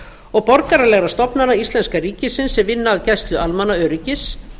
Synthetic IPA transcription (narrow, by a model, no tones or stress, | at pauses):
ɔɣpɔɾkaɾalɛɣɾast̪ɔpnanaist̪lɛnskariːcɪsɪnsːɛmvɪnːaːðcajst̪lʏʔalmanaœːɾicɪs